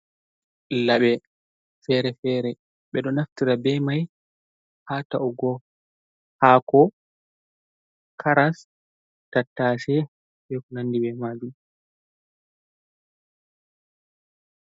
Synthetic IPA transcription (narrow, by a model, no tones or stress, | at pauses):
laɓɛ | fɛɾɛfɛɾɛ | ɓɛɗɔnaftiɾabɛmaj | hatauɡɔ | hakɔ | kʰaɾas | tatːaʃɛ | ɓɛkɔnandibɛmad͡ʒum